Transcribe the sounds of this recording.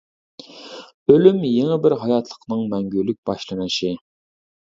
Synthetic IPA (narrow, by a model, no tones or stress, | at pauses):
ølymjeŋɛbɪɾɦɑjɑt̪ʰlˠə̥qnɨŋmɛŋɡʲylːyk̚ʲb̥ɑʃlˠɨnɨʃi